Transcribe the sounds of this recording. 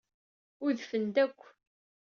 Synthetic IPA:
ʊðfənd̪ækʷː

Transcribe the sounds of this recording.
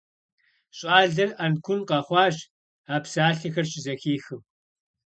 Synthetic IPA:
ɕʼaːɮɐrɐnkʷʰʊnqɐχʷɑːɕ | aːpsaːɬɨxɐrʃɪzɐxiːxɨm

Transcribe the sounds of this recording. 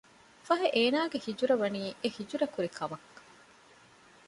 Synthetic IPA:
fɐɦeʔeːnaːɡehid͡ʒuɾɐʋɐniːehid͡ʒuɾɐkuɾekʰɐmɐkː

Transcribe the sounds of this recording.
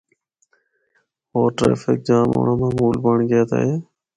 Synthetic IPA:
oːʈɾḛːfɪk̚d͡ʒãːmo̰ːɳaːmãːmuːlbəɳɡɪjaːt̪a̰ɦeː

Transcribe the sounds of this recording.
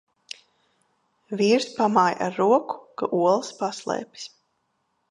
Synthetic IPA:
viːɾspamaːja̰ɾːuɔku̥kaʔuɔlˠspaslˠɛ̰ːpʲi̥s

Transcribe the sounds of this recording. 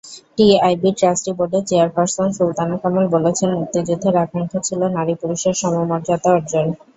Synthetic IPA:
ʈieajbiʈɾasʈiboɾɖet͡ɕeaɾpaɾsonsult̪anakamolbolet͡ɕʰenut̪ːid͡ʑud̪ʱːeɾakʰɾaŋkʰot͡ɕʰilonaɾipuluʃeɾʃɔmomɔɾd͡ʑat̪aɔɾd͡ʑon

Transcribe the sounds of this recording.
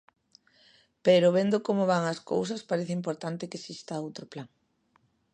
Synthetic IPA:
peɾoβend̪ʊkomoβaŋɐskowsɐspaɾeθɪimp̬oɾt̪ant̪ɪkesist̪aowt̪ɾʊplaŋ

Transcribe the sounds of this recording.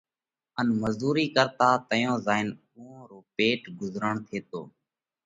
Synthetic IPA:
ənməzuːɾiːkəɾt̪aːt̪əjõːzaːɪn | ʊ̃õːɾoːpeːʈɡʊzɾəɳt̪ʰeːt̪o̰ː

